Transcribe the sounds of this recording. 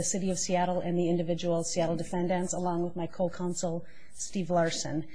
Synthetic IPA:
ɨsɪɾiʌv̥siæɾl̩ˠɨ̃nðiɪ̃ndɨvɪd͡ʒəwl̩ˠsiæɾl̩ˠdɨfɛ̃ndɨ̃nsəlɔ̃ŋwəðmaɪkʰoʊkʰãʊ̃nsl̩ˠ | stivlɑɹsɨ̰̃n

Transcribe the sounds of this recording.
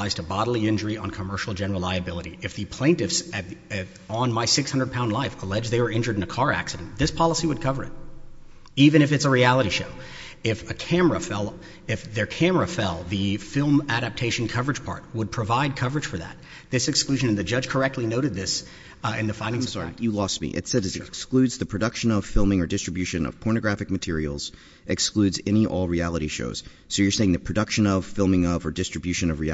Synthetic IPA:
aɪz̥tʰəbɑɾl̩ˠiɪ̃nd͡ʒə˞iə̃nkʰəmɜ˞ʃl̩ˠd͡ʒɛnə˞l̩ˠlaɪɨbɪlˠəɾḭʔɨfðɨpʰl̥ẽɪ̃ntɨfsɨt̪ | ə̃nmaɪsɪkshʌ̃ndə˞d̚pʰãʊ̃ndlaɪfəlɛd͡ʒðeɪwə˞ɪ̃nd͡ʒə˞ɾɨ̃nɨkʰɑɹæ̰ksɨɾɨ̃n̩ðɪspʰɑlˠəsiwɨd̚kʰʌvə˞ɨ̰t̚ | ivɨ̃ɾ̃ɨfɨtsəɹiælˠəɾiʃoʊ | ɪfɨkʰæmə˞əfɛlˠ | ɨfðə˞kʰæ̃mə˞ɨfɛlˠðɨfɪlˠmæɾæp̚tʰeɪʃɨ̃n̩kʰʌvə˞ɨdd͡ʒ̥pʰɑ̰ɹt̚wəd̚pʰɹ̥ɨvaɪd̚kʰʌvə˞ɨd̥ʒ̥fə˞ðæ̰t̪̚ | ðɪsɨksklʉʒɨ̃nɨ̃nðɨd͡ʒʌd̥ʒ̥kʰə˞ɛk̚tʰˡlinoʊɾɨd̪̚ðɪs | ɨ̃nðɨfãɪ̃ndɪ̃sɹijɨlɔst̚mḭʔɨ̰tsɛɾɨzɨksklʉdzðɨpʰɹ̥ɨdʌkʃɨ̃nʌv̥fɪlˠmɪ̃ŋə˞dɨstɹ̥ɨbjʉʃɨ̃nʌ̰v̥pʰɔɹnɨɡɹæfɨk̚mɨtʰɪɹil̩ˠz̥ | ʔɨksklʉdzɛ̃ñiʔɔ̰lˠɹiælˠəɾiʃo̰ʊz̥ | soʊjə˞seɪɪ̃ŋðɨpʰɹ̥ɨdʌkʃɨ̃nʌv̥fɪlˠmɪ̃ŋʌvə˞dɪstɹ̥ɨbjʉʃɨ̃nʌvɹiæ

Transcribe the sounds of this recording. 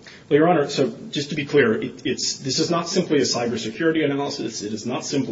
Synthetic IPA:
wɛlˠjə˞ɑñə˞soʊ̥d͡ʒʌstʰɨbikʰl̥ɪɹɪtɪtsðɪsɨznətsɪ̃mpliɨsaɪbə˞sɨkʰj̥ʊɹɨɾiɨnælˠəsɨsɨɾɨznətsɪ̃mp

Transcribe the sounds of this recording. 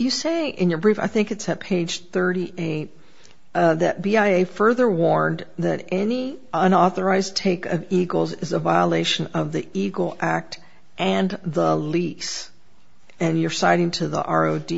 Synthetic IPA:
jɨseɪɪ̃njə˞bɹifa̰ɪθɪ̃ŋkɨtsɨt̚pʰeɪd̥ʒ̥θɜ˞ɾiʔeɪt̚ | ðɨt̚b̥iaɪeɪfɜ˞ðə˞wɔɹnðɨɾɛniə̃nɔθə˞aɪztʰeɪkʌviɡl̩ˠzɨzəvaɪəleɪʃɨ̃nʌvðiʔiɡl̩ˠʔæk̚t | ʔɨ̃nðəlis | ɨ̃njə˞saɪɾɪ̃ŋtʰɨðḭʔɑ̰ɹoʊdi

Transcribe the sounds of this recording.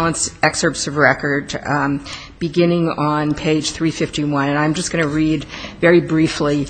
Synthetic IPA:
lˠə̃nsɛksə˞psʌvɹɛkə˞d | b̥ɨɡɪ̃nɪ̃ŋə̃npʰeɪd̥ʒ̥θɹifɪftiwʌ̃nɨ̃nãɪ̃md͡ʒʌsɡ̥ʌnɨɹidvɛɹibɹifli

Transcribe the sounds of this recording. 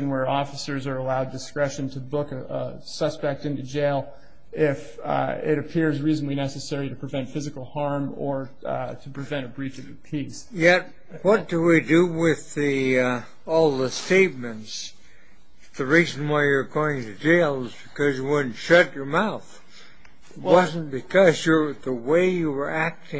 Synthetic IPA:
ɨ̃nwə˞ɔfəsə˞zə˞əlaʊdɨskɹɛʃɨ̃ntʰɨbʊkɨə̰ | sʌspɛk̚tɪ̃ntʉd͡ʒeɪlˠ | ɪf | ɪ̰ɾɨpʰɪɹzɹizn̩lˠinɛsɨsɛɹiɾɨpʰɹ̥ɨvɛ̃ntfɪzɨkl̩ˠhɑɹmə˞ | ɾɨpʰɹ̥ɨvɛ̃ɾ̃ɨbɹit͡ʃʌvðɨpʰis | jɛt̚ | wʌt̚d̥əwidɨwɪði | ɔlˠðəsteɪt̚mɨ̃nts | ðɨɹiz̃n̩waɪjə˞ɡoʊɪ̃ŋtʰɨd͡ʒeɪlˠʌzbɨkʰʌzjɨwʊdⁿn̩ʃʌt͡ʃə˞maʊθ | t̚wwʌz̃n̩b̥ɨkʰʌzjə˞ðəweɪjɨwə˞ʔæk̚tɪ̃

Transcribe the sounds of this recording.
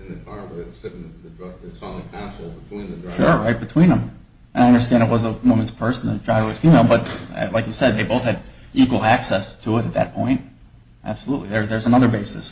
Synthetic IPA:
ɨ̃nɨkʰɑɹbeɪsɪɾnðɨdɹʌɡɨsɑ̃nikʰæsl̩ˠbətʰw̥ĩnðʃʊɹɹaɪt̚b̥ɨtʰw̥ĩnðə̃m | ʔɨ̃naɪʌ̃ndə˞stæ̃ndɨt̚wʌzəwõʊ̃mɨ̃nz̥pʰɜ˞sn̩ðɨdɹaɪwɪz̥fimeɪlˠbʌt̚laɪkjɨsɛd̪̚ðeɪboʊθhɨɾʔikwl̩ˠæksɛstʰəɪɾɨt̪̚ðɨ̰t̚pʰɔ̃ɪ̃nt̚ | ʔæ̰b̥səluʔˡliðə˞ðə˞zənʌðə˞beɪsɨ̰s

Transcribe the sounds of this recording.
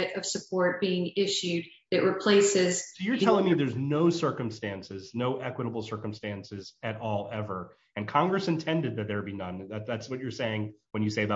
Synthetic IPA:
ɨɾʌv̥sɨpʰɔɹt̚b̥iɪ̃ŋɪʃʉd̚ | ðɨʔ̚ɹɨpʰl̥eɪsɪzsʊjə˞tʰɛlˠɪ̃ŋmiðə˞znoʊsɜ˞kɨ̃mstæ̃nsɪznoʊʔɛkwəɾəbl̩ˠsɜ˞kə̃m̩stæ̃nsɪzɨɾɔlˠɛvə˞ | ɨ̃nkʰɑ̃ŋɡɹɨsɨ̃ntʰɛ̃ndɨd̪̚ðɨt̪̚ðə˞binʌ̃nðæt̚ðætswʌt͡ʃə˞seɪɪ̃ŋwɨ̃njɨseɪð

